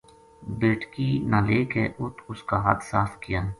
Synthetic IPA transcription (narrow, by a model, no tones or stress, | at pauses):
beːʈkinãːleːkeʔʊt̪ʰʊskaːɦɐt̪saːfkijən